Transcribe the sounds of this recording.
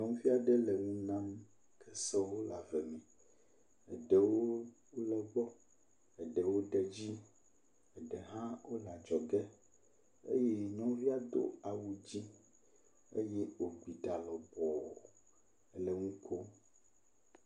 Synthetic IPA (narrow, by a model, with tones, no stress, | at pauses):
ɲɔ̃˦ŋ̃˦vi˦a˨ɖɛ˦le˨ŋũ˦nã˦m | kʰɛ˦sɛ˦wo˦la˨vɛ˨mɛ̃˨ | ɛ̰˨ɖɛ˨wo˦ | o˦lɛ˨ɡ͡bɔ˦ | ɛ˨ɖɛ˨wo˦ɖɛ˨d͡ʑi˦ | ɛ˨ɖɛ˨ɦã˦wʔo˦la˨d͡ʒɔ˨ɡɛ˦ | ḛ˦jɛ˦ɲɔ̃˦vi˦a˦d̪o̰˦a˨wu˨d͡ʑi˦ | ḛ˦jɛ˦o˨ɡ͡bi˨ɖa˨lɔ˨bɔ˨o˨˦ | le˨ŋũ˦kʰo˦